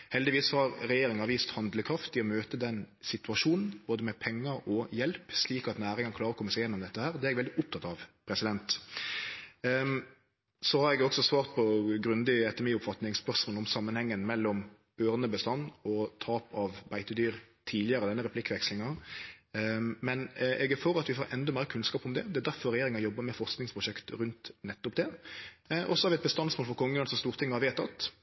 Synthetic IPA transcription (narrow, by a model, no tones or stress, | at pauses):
hɛld̪ɪʋiːsːɔhɑɾɾɛjeːɾɪŋɑʋiːst̪hɑnd̪ləkʰɾɑft̪ɪɔmøːt̪əd̪ɛnsɪt̪ʉɑʂuːnn̩b̥oːd̪əmɛpʰɛŋːɑɔjɛlpsliːkɑt̪næːɾɪŋɑnkʰlɑːɾɔkɔmːəsæɪjɛnːɔmd̪ɛt̪ːəhæːɾd̪ɛɛɛɡʋɛld̪ɪʔʊp̚t̪ʰɑt̪ɑʋpʰɾɛsɪd̪ɛnt̪ | sɔhɑɾɛɡɔksɔsʋɑːʁt̪̚pʰɔɡɾʉnd̪ɪɛt̪ɛmɪːʊpfɑt̪nɪŋspœʁʂmoːlɔmsɑmːənhɛŋːənmɛlːɔm | øːʁnəbəst̪ɑnːɔt̪ʰɑːpɑʋbæɪt̪əd̪yːɾt̪ʰiːlɪəɾəd̪ɛnːəɾɛpʰlɪkːʋɛkslɪŋɑ | mɛnɛɡæføːɾɑt̪ʋɪfoːɾʔɛnd̪ɔmæːəkʰʉnskɑːpɔmd̪ɛd̪ɛæɾd̪æɾfɔɾɛjeːɾɪŋɑjɔbːəmɛfɔʁsknɪŋspʰʁʊʂɛkt̪ɾʉnt̪nɛt̪ːʊpd̪ɛ | ʔɔsɔhɑɾʋɪɛt̪̚bəst̪ɑnsmoːlfɔɾkʰɔŋːəlɑnsɔst̪uːɾt̪ʰɪŋːəhɑɾʋeːt̪ʰɑt̪